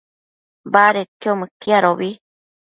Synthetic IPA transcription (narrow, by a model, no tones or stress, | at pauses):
baɾet̪omɨ̃kiaɾoβi